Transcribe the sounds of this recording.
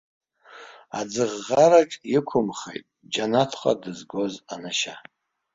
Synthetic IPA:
a̰d͡zɨʁːaɾaʈ͡ʂʼɪkʷʰʊmχḛjtʼd͡ʒanatʰqʼa̰dɨzɡʷozanaʃa

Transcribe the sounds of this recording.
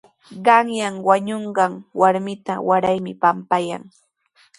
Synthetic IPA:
ɢɑŋjaŋwaɲoɴɢɑŋwaɾmɪt̪awaɾajmɪpampaja̰ŋ

